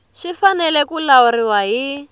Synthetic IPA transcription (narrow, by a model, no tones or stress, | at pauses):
ʃifanɛlɛkulauɾiwaɦi